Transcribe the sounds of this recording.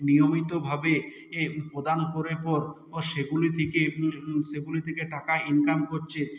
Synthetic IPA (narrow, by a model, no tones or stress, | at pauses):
nijomit̪obʱabe | pɾod̪ankoɾeɾpɔɾ | ʃeɡulit̪ʰekeʃeɡulit̪ʰekeʈakainkamkoɾt͡ɕʰe